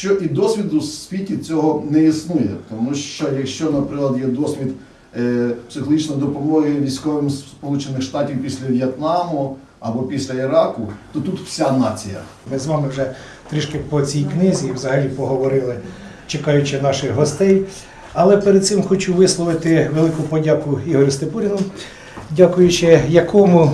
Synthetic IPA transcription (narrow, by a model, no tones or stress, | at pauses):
ʃt͡ʃɔʔid̪ɔsʲʋʲid̪ʊsʋʲitʲit͡sʲɔɦɔnɛisnujɛt̪ɔmuʃt͡ʃɔjɐkʃt͡ʃɔnɐpɾɪklˠɐd̪jɛd̪ɔsʲʋʲid̪ | psɪxɔlˠɦit͡ʃnɔjd̪ɔpɔʋˠɔɦɦiɛʋʲijsʲkɔʋɪmspɔlˠut͡ʃɪnɪxʃt̪ɑtʲiwpʲisʲlʲɐʋʲjɛt̪nɑmʊ | ɐbɔpʲisʲlʲɐiɾɑkʊt̪ɔt̪ut̪w̥sʲanɑt͡sʲijɐ̰ | mɪzʋɑmɪwʒɛ | t̪ɾɪʃkɪpɔt͡sʲijknɪzʲiːʋzɐɦɐlʲipɔɦɔʋɔɾɪlˠɪ | t͡ʃekɑjʊt͡ʃɪnɑʃɪɣɦɔst̪ɛj | ɐlˠɛpeɾd̪̚sɪmxɔt͡ʃuʋɪslˠɔʋɪt̪ɪʋelˠɪkʊpɔdʲɑkʊiɦɔɾʲʊst̪epuɾʲinʊm | dʲakʊjʊt͡ʃɪjɐkʰɔmʊ